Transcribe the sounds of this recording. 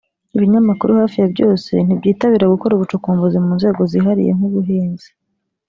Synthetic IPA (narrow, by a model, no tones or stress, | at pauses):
iβiɲamakuɾuhaːfijabɟo̞ːse̞̰n̥ibɟiːtaβiːɾaɡuko̞ɾuβut͡ʃukuːmvozimuːnze̞ːɡo̞ziɦaɾḭje̞̰ŋ̥uβuɦeːnzi̥